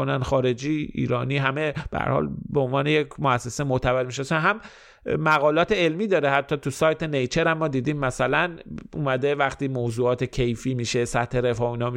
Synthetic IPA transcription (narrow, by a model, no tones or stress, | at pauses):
onænxɒːɾe̞d͡ʒiːḭːɾɒːniːɦæmeb̥ḛhæ̰ɾhɒ̰ːlbeonvɒːnejekmoæsːe̞semot̪ʰævælmiʃ̬esænɦæmː | æɣɒːlɒːt̪ʰeelmiːd̪ɒːɾehæt̪ʰːɒːt̪ʰusɒːjt̪ʰe̞nejt͡ʃʰeɾæmːɒːd̪iːd̪iːmːæsælænʔṵːmæd̪e̞væxt̪iːmoːzuːɒːt̪ʰecʰe̞jfiːmiːʃesæt̪he̞ɾe̞fɒːiːnɒː